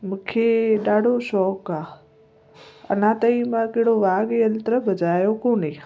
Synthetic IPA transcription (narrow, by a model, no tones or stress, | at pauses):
mə̃kʰeɗaːɽoʃɔːkaː | ə̰nãːt̪əiːmãːkeɽoʋaːɡeːəlt̪ɾəbʱəd͡ʒaːjokõnĩː